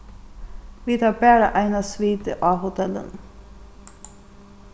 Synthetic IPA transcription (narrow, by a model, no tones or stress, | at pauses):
ʋiːt̪ʰɑːbæːɾə̰ʔæɪnɑsʋiːd̪ə̰ʔɑːhʊt̪ʰɛlə̰n